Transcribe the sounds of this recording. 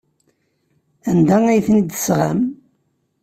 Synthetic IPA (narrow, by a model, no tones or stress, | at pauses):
ænd̪ææjθnid̪əsʁa̰m